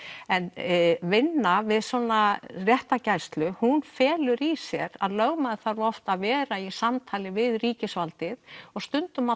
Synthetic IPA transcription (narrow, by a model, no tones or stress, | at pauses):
ɛnvɪnːavɪðsɔːnarjɛht̪acajst̪lʏhunfɛːlʏɾisjɛɾa̰ðlœɣmaðɪθaɾvɔft̪aðvɛːɾaisamt̪ʰaːlɪvɪðriːcɪsvalt̪ɪðɔɣst̪ʏnt̪ʏma